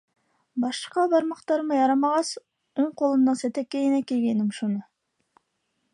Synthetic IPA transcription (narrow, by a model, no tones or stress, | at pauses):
bɑʃqɑbɑɾmɑqt̪ɑɾmɯjɑɾɑmɑʁɑs | uɴqʰolˠɯnd̪ɑnset̪ækːejinækelɡʲenimʃunʊ